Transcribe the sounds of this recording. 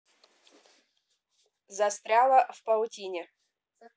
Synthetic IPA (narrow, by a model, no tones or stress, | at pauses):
zɐst̪ɾʲalˠəfpɐʊtʲinʲɪ